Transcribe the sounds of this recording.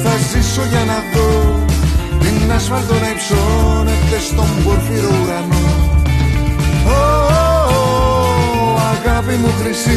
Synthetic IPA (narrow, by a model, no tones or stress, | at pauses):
θɐzisoʝɐnɐðo | ðinːɐsfɐɾðonapsonet̪est̪omboɾfiɾouɾano | o | aɣɐvimuxɾisi